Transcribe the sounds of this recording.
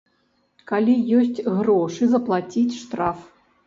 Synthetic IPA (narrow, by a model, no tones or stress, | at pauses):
kalʲijɔsʲt͡sʲɣɾɔʂɨzɐplˠat͡sʲit͡sʲʂt̪ɾaf